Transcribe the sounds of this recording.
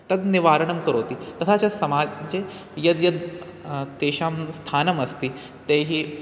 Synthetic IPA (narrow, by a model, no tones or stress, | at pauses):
t̪ɐd̪niʋaːɾɐɳəmkəɾoːt̪iːt̪ɐt̪ʰat͡ɕasɐmad͡ʑe | jɐd̪jɐd̪ | t̪eːɕaːmst̪ʰaːnɐmɐst̪iː | t̪eɦiː